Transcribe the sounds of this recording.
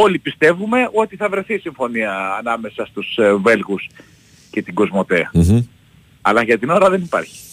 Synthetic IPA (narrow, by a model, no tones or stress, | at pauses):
o̞lipist̪e̞vume̞o̞t̪iθɐvɾe̞θisiɱfo̞niɐːnɐme̞sɐst̪usve̞lɣus | cet̪iɡo̞zmo̞t̪eɐ | ɐlɐʝɐt̪ino̞ɾɐðe̞nipɐ̰ɾçi̥